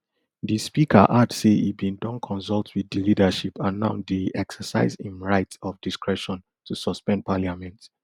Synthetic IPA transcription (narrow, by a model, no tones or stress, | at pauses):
ðispikəʔadseḭbĩndɔ̃nkʰɔ̃nsɔlˠtʰwiðilidəʃipʰãnːã̰ʊdiɛksəsaɪzhĩmɹaɪtɔfdiskɹɛʃɔ̃n | tʰusɔspɛ̃npʰalamɛ̃nt